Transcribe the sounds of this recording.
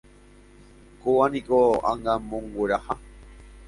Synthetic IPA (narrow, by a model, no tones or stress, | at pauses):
kowanikoã̰ŋɡãmõŋɡʷeɾaha